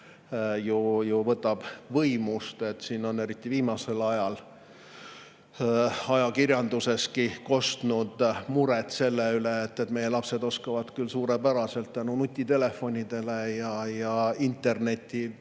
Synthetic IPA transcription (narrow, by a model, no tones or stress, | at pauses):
jujuvɤt̪ːˑɑb̥vɤjmust̪e̞t̪siːno̞ne̞ɾit̪ːˑiviːmɑse̞lɑjɑl | ɑjɑkirjɑnd̪use̞skiko̞st̪nud̪̥muɾɛt̪se̞lːeyleːt̪ːet̪me̞je̞lɑpse̞d̪o̞skɑvɑd̪kylsuːɾepæɾɑse̞lt̪ːænunut̪ʲːˑit̪e̞le̞fo̞nʲid̪̥e̞le̞jɑjɑint̪ˑːe̞rne̞t̪ʲːi